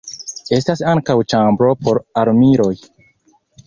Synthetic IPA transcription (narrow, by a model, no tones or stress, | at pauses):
e̞stasaŋkawt͡ʃambɾo̞po̞ɾaɾmiɾo̞j